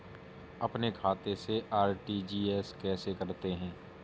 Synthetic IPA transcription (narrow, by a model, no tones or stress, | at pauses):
ɐpnekʰaːt̪eseaːɾʈiːd͡ʒiːɛːskɛːsekɐɾt̪eɦɛ̃ː